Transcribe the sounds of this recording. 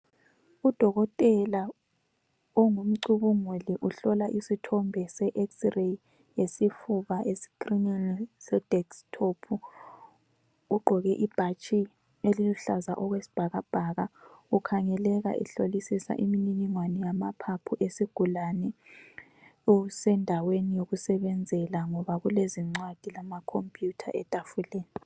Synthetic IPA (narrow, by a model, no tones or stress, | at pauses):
ud̥ʱɔɣɔtʼɛla | ɔŋum̩ǀuβuŋuliʔuɬɔlaʔisitʰɔmbʱɛsɛʔɛksre | jesifuβaʔesi̥krininisɛd̥ʱɛkstʰopʰu | ɡ͡ǃʱɔɣɛʔib̥ʱat͡ʃʼi | eliluɬazaʔɔɣwesi̥b̥ʱaɣab̥ʱaɣaukʰaŋɛlɛɣa̰ʔɛ̰ɬolisisa̰ʔimininiŋwanɛjamapʰapʰuʔesiɡ̥ʱulanɛ | usɛndʱawenijoɣusɛβɛnd͡zʱɛlaŋɔβaɣuleziŋ͡ǀwad̥ʱilamakʰompʼjutʰa̰ʔɛtʼafulɛːna